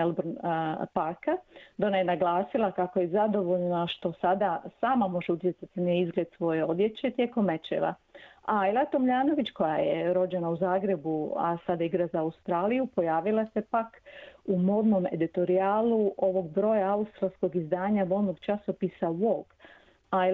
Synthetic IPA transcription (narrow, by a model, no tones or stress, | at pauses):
elˠbɾnpaɾkad̪onajenaɡlaːsilˠakako̞jezad̪o̞ʋo̞ʎnaʃt̪o̞sad̪asaːmamo̞ʒeut̪ʲje̞t̪sat̪ineizɡle̞d̪sʋo̞jeo̞d̪je̞t͡ɕe̞t̪je̞ːko̞mːet͡ʃḛla̰ailˠat̪omʎaːno̞ʋit͡ɕko̞jajeɾo̞d͡ʑe̞nauzaːɡɾe̞bua̰sad̪aiɡɾazaːust̪ɾaːlijupo̞jaːʋilˠase̞pakumo̞d̪no̞me̞d̪it̪o̞ɾiaːluʔo̞ʋo̞ɡ̚bɾo̞ːjaaust̪ɾalˠsko̞ɡizd̪aːɲabo̞lnoɡt͡ʃaso̞pisaʋoɡ | a